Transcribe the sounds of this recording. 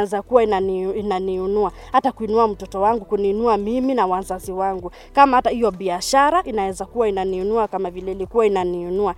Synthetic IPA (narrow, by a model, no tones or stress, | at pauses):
ɛzakuwainaniinaniunua | hatakuinuam̩tɔtɔwaŋɡukuniːnuamiminawazaziwaŋɡu | kamahatahijɔɓiaʃaɾaʔinawɛzakuwainaniunuakamavilɛilikuwainaniunua